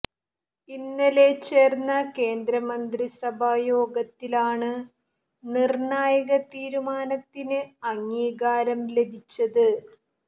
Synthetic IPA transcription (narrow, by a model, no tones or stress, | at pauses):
inːɐlet͡ɕe̞ːrnːɐke̞ːnd̪ɾɐmɐnd̪risɐbʱajo̞ːɡɐt̪ːilaːɳɨ | nirɳaːjɐɣɐt̪iːɾumaːnɐt̪ːinɨɐŋːiːɣaːɾɐmle̞bʱit͡ɕːɐðɨ